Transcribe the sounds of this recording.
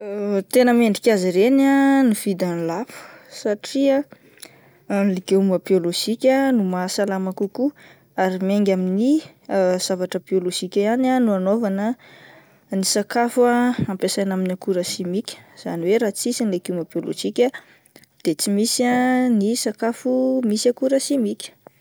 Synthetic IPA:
t̪enəmeɳɖ͡ʐikʲaziɾenaniv̥id̪anilafu̥saʈ͡ʂia | nlikeumabioloʒikʲənumasalamakuku | aɾimeŋɡʲamini | z̥avaʈ͡ʂəbioloʒikʲəananuanovanə | nisakafuaampesajnaminakuɾəʃimikʲə̥z̥a̰niweɾat͡sisinilekeumabiolo̰ʒ̥ikʲə | d̪̥et͡simisanisakafumisakuɾəʃimikʲə̥

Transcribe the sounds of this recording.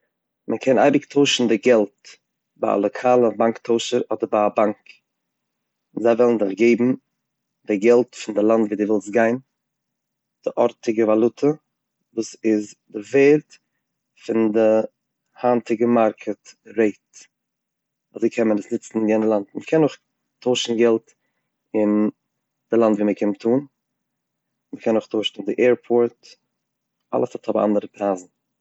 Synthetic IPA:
mʔəkʰɛna̰ɪbɪktʰoʊʃn̩dɪɡɛlˠt | ba̰a̰lˠɔkʰaːlˠəbaŋktʰoʊʃəɾɔdəɾbaabaŋk | ɪnzaɪvɛlˠn̩dɪχɡeɪbm̩ | dɪɡɛlˠtfɪndɪlˠantviːduːvɪlˠst̚ɡaɪn | d̥ɪʔɔɾtɪɡəvalˠʊtʰə | vuːsɪzdɪveːɾt | fɪndɪ | hantɪɡəmaɾkʰətɾeɪt | azeɪkʰɛmənəsnɪt͡sn̩ɪnjɛnəlˠantməkʰɛnʊχ | tʰoʊʃn̩ɡɛlˠt | ɪn | d̥ɪlˠantviːməkʰɛnmtʰuːn | məkʰɛnʊχtʰoʃn̩ɪndɪʔɛːɾpʰoːɾt | ʔa̰lˠəshɔthɔbm̩ʔa̰ndəɾəpɾaːzn̩

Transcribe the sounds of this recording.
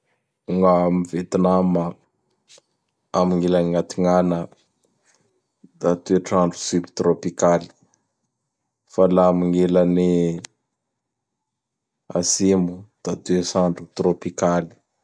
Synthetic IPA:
uŋamivet̪inamə | amiŋelaniŋat̪iŋanə | d̪at̪eʈ͡ʂaɳɖ͡ʐusybit̪ropikali̥ | falamiŋelani | a̰simud̪̥at̪esaɳɖ͡ʐut̪ropikali̥

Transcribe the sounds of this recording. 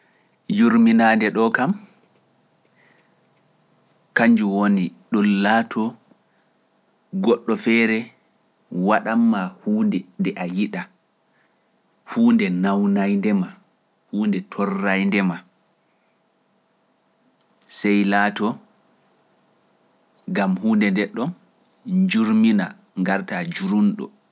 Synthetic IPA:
juɾminandɛɗɔkam | kaɲd͡ʒuwoniɗɔlaːtʰɔ | ɡɔɗːɔfɛːɾɛ | waɗamːahuːndɛndɛʔajiɗa | huːndɛnawnajndɛma | huːndɛtʰɔrːajndɛma | sɛjlaːtɔ | ɡamhuːndɛndɛɗɔn | ɲd͡ʒuɾmina | ŋɡaɾtad͡ʒuɾunɗɔ̰

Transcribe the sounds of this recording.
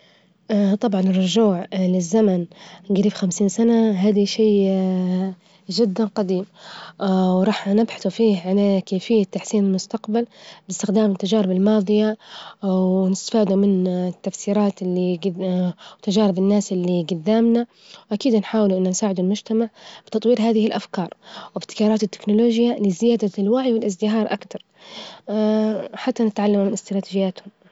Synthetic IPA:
ʔt̪ˤɑbʕɑnɪrˤːʊʒuːʕlɪzːamanɡaɾiːbxamsiːnsanaɦaːd̪aʃeː | ʒɪd̪ːanqɑd̪iːm | wɾˤɑːħnɪbħḁθufiːhʕalakeːfɪjːat̪ːaħsiːnɪlmʊst̪aqbalbɪst̪ɪxd̪aːmɪt̪ːad͡ʒaːɾɪbɪlmɑːðˤɨja | wnɪst̪ḁfaːd̪umɪnt̪ːafsiːɾɑːt̪ɪlːi | wt̪ad͡ʒaːɾɪbɪnːaːsʔɪlːiɡad̪ːaːmna | wʔakiːd̪nħaːwɪluʔɪnːansaːʕɪd̪ʊlmʊd͡ʒt̪amaʕb̥ɪt̪ɑt̪ˤwiːɾɦaːðɪhɪlʔafkɑːɾˤwɪbt̪ːɪ̥kɑːɾˤɑːt̪ɪt̪ːɪ̥knʊloːʒjalɪzɪjaːd̪alwaʕjwɪlʔɪzd̪ɪɦɑːɾˤʔakt̪ɑɾˤ | ħat̪ːanɪt̪ʕalːamumɪnɪst̪ɾˤɑːt̪id͡ʒɪjːaːt̪hʊm

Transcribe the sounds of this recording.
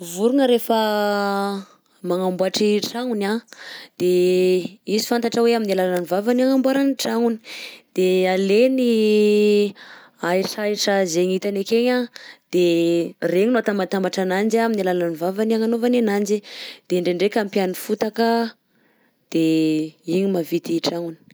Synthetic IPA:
vuɾuŋəɾefə | maŋambuaʈ͡ʂiʈ͡ʂaŋunad̪̥e | izi̥fant̪aʈ͡ʂəweaminalalaanivavanaŋambwaɾaniʈ͡ʂaŋuni̥d̪̥ealeni | aiʈ͡ʂaiʈ͡ʂazeɲit̪anekeɲad̪̥ereɲinoat̪ambat̪ambaʈ͡ʂanand͡ʒaminalalaanivavanaŋanovanenand͡ʒid̪̥eɳɖ͡ʐeɳɖ͡ʐekampianifut̪akə | d̪̥eiɲimavit̪iʈ͡ʂaŋuni̥

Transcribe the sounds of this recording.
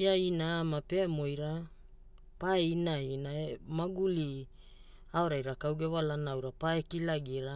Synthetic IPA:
iainaamape̞mo̞jɾa | paeinainaemaɡuli | aoɾajɾakawɡe̞βalanawɾapaekilaɡiɾa

